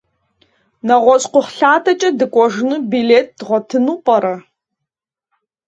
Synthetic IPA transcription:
nɐʁʷɔɕqʷʊχɬaːtʰɐt͡ʃʼɐdɨkʷʼɔʐnuːbileːt̚dʁʷɔtʰɨnuːpʼɐɾɐ

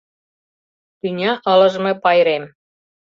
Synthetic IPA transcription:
t̪ynʲɑʔə̆lə̆ʒmĕpɑjɾem

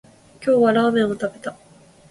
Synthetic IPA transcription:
kʲo̞ːβaɾaːmẽ̞ɰ̃o̞t̪abe̞t̪a

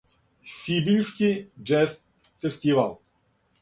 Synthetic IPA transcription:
sʲibilʲskʲid͡ʒɛst̪ | fɛsʲt̪ʲivalˠ

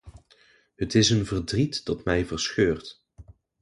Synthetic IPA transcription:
ɦətɪsənvərdritd̥ɑtmɛjvəɹsxøːɹt

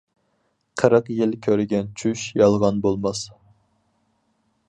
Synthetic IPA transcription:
qʰəɾəqjɪlkʲʰøɾɡʲɛnt͡ʃʰyʃjɑlˠʁɑnbolˠmɑs

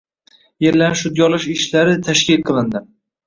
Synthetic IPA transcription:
jeɾlanʃʊd̪̚ɡʲɒlˠɪʃɪʃlaɾɪt̪ʰaʃkʲɪlqʰɨlˠɪnd̪ɪm

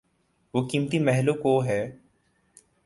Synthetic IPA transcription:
ʋoːkiːmt̪imɛɦlokoɦɛː

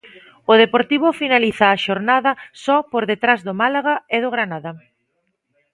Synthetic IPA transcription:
ʊðepoɾt̪iβʊfinaliθaːʃoɾnaðɐsɔpoɾðet̪ɾazðʊmalaɣaeð̞ʊɣɾanaðɐ

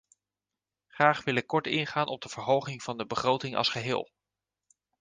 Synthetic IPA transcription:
χraːχʋɪlɪkːɔɹtɪ̰nχaːnʔɔb̚dəv̥əɹɦowχɪŋv̥ɑndəbəχrowtɪŋɑ̰lˠsχəɦɪ̰ːlˠ

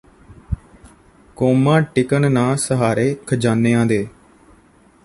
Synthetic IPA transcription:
koːmãːʈɪkənnãːsəɦaːɾeːkʰəd͡ʒaːneːãːd̪eː

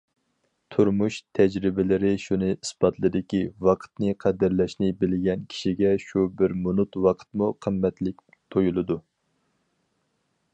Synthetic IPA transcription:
t̪ʰuɾmuʃt̪ʰɛd͡ʒɾɪbɪlɪɾɪʃunɨisbɑt̪lˠɨd̪ɪkʲiwɑqʰə̥t̪nɨqʰɛd̪ɪɾlɛʃnɪbɪlɡʲɛnkʲʰi̥ʃiɡʲɛʃubɪɾmunut̪wɑqʰə̥t̪muqʰəmːɛt̪lɪk̚ʲ | t̪ʰojulˠɨd̪u

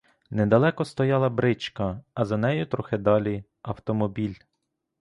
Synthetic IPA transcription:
nɛd̪ɐlˠɛkɔst̪ɔjɑlˠɐbɾɪt͡ʃkɐːzɐnɛjʊt̪ɾɔxɪd̪ɑlʲi | ɐwt̪ɔmɔbʲilʲ

